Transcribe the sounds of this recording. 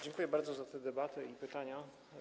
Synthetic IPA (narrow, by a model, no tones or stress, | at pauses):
d͡ʑɛŋkujɛbaɾd̪zɔzat̪ɛd̪ɛbat̪ɛipɘt̪aɲa